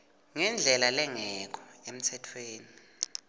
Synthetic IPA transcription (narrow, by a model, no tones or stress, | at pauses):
ŋɛnd͡ɮʱɛlalɛŋɛk̬ʰɔem̩tʰɛtʰweːni